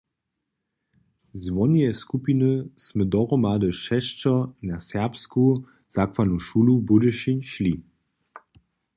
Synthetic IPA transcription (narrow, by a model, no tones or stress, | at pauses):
zʋɔnijɛskupinəsməd̪ɔʁɔmadəʃɛʃt͡ʃɐnasɛpsku | z̥akvanuʃulubudəʃinʃli